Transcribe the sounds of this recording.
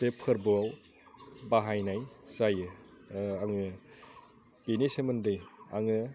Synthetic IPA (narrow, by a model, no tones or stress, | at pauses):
pepʰɯɾbɯaw | baɦajnajzajɯ | aŋɯ | b̥inisemɯndɯja̰ŋɯ